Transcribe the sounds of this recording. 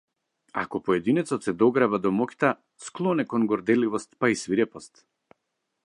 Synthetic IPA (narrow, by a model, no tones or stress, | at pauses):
a̰kɔpɔɛd̪inɛt̪sɔt̪sɛd̪ɔɡɾavad̪ɔmɔkʲt̪a | sklˠɔnɛkɔnɡɔɾd̪ɛlivɔst̪paisviɾɛpɔst̪